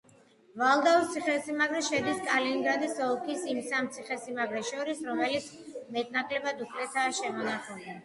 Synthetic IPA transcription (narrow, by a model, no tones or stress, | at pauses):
valˠd̪aust̪sʰiχɛsimaɡɾɛʃɛd̪iskʼaliŋɡɾad̪isɔlˠkʰisimsamt̪sʰiχɛsimaɡɾɛʃɔɾisɾɔmɛlit̪sʰmɛt̪ʼnakʰlɛbad̪upʰlɛt̪ʰaːʃɛmɔnaχɛɛ